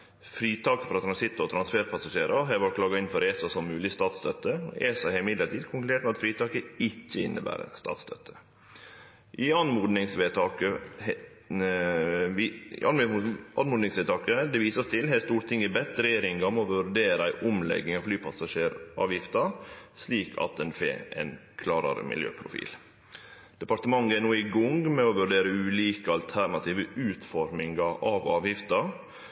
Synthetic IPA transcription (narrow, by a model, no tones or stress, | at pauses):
fɾiːt̪ʰɑːkəfɾɑt̪ʰɾɑnsɪt̪ːʊɔt̪ʰɾɑnsfeːɾpʰɑsɑʂeːɾɑɦɛʋɔʈkʰlɑːɡɑɪnfɔɾeːsɑsɔmːʉːlɪst̪ɑːt̪st̪œt̪ːəeːsɑhɛlɪmɪd̪ləʈʰiːd̪kʰʊŋkld̪eːʈ̚mɛlɑt̪fɾiːt̪ʰɑːkəɪçːəɪ̰nːəbæ̰ːɾə̰st̪ɑ̰ːt̪st̪ʰœ̰t̪ʰːə̥ | ʔɪɑnmuːd̪nɪŋsʋet̪ʰɑːkə | ɪ̰ʔɑnʔɑnmuːd̪nɪŋsʋeːt̪ʰɑːkəd̪ɛʋiːsəst̪ʰɪlɦɛːst̪uːɾt̪ʰɪŋːɪbɛt̪ːɾɛjeːɾɪŋɡɑmɛɔʋʉɾɖeːɾəæɪʔʊmlɛ̰ɡːɪŋɑʋflyːpʰɑsɑʂeːɾʔɑ̰ːʋjɪft̪ɑsliːkʰɑ̰t̪̚ɛnfḛːɛ̰n | kʰlɑːɾɑ̰ɾ̰mɪ̰ljø̰ːpʰɾʊ̰fḭːl | d̪̥ɛpɑɾt̪əmɑŋːəɛnuːɪɡʊŋɡmɛɔʋʉɾɖeːɾəʉːliːkəɑlt̪ʰæɾnɑt̪ʰiːʋəʉːt̪fɔɾmɪŋɡɑʔɑʋɑːʋjɪft̪ɑ